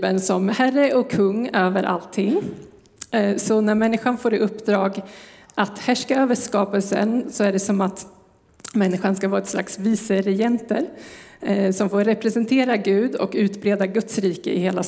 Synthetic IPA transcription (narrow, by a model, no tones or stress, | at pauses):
bənsɔmhærəʔɔkʰːɵŋːøːvəɾʔa̰lt̪ʰːɪŋː | sɔnæɾmɛnːɪɧanfoːɾɪɵpːd̪ɾɑːɡʔat̪hæʂkaøːvəʂkɑːpəlsə̰nsɔæɖɛsɔmat̪ | mɛnːɪɧanskavɑːɾɛt̪sla̰ksviːsəɾɛjɛnt̪əɾ | sɔmfoːɾɾɛpɾɛsɛnt̪ʰeːɾaɡʉ̟ːd̪ɔ̰kʉ̟ːt̪bɾeːd̪aɡɵt̪sɾiːkə̰ɪheːla